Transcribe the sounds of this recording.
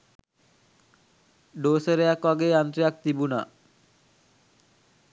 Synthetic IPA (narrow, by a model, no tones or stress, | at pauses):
ɖoːsəɾejakʋaɡeːant̪ɾijak̚t̪ibuna̰